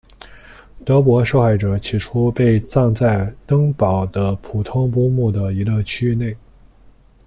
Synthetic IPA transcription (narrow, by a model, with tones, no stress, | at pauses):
t̪ɤ˧˥p̬wɔ˧˥ʂo˥˧ʊxa˥˩ɪʈ͡ʂɤ˨˩˦t͡ɕʰi˨˩ʈ͡ʂʰu˥pe˥˧ɪt͡sɑ˥˧ŋt͡sa˥˩ɪt̪ɤ˥ŋpɑ˨˩ʊd̪ə˦pʰu˨˩t̪ʰʊ˥ŋp̬u˥mu˥˩d̪ə˩i˧˥lə˥˧t͡ɕʰy˥ne˥˩ɪ